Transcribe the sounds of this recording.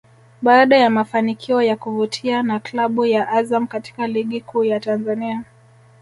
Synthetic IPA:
ɓaːɗajamafanikʰiɔjakuvutʰianaklaɓujaʔazamkati̥kaliɠikʰuːjatanzania

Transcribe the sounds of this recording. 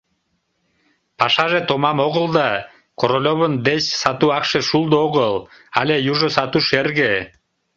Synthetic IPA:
pɑʃɑʒet̪omɑmoɣəld̪ɑ | koɾolʲoβənd̪et͡ɕsɑt̪uɑkʃeʃulˠd̪ooɣəlˠ | ɑlʲejuʒosɑt̪uʃerɣe

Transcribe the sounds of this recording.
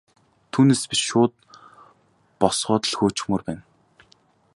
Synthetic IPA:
t̪ʰuːneːspʲiʃʃʊːt̪̚ | pɔsɢɔːt̪ə̆ɮxoːt͡ɕɪ̥xmɵːrpæːn

